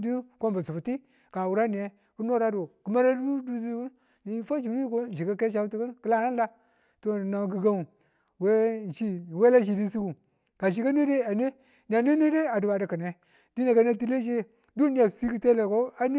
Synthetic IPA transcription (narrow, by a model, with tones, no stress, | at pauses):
di˦ko˦mba˨su˨bu˨ti˦ | ka˨wu˨ɾa˦ni˨je˦ | ku˦no˦ɾa˦du˨kə˨ma˦ɾa˦u˦du˦si˦ku˦n | ni˨˦fa˦d͡ʒi˨m˦i˦ko˦˨d͡ʒi˨ka˦ke˦ʃ̬a˦ti˦kə˦nkə˦la˦na˦la˦ | to˦˨na˨ɡi˦ɡa˦u˨ | we˦ʃi˦˨we˦la˦ʃ̬i˨di˦si˦ɡu˨ | ka˨ʃi˨ka˦n˦e˦de˦a˨n˦e˦ | n˨a˨n˦e˦ne˦de˦a˨du˨ba˨di˨kə˨ne˨ | di˦ne˨ka˦ne˦ti˦le˦ʃ̬e˦ | du˦ni˦ja˨si˦ki˦te˦le˨ko˦a˦n˦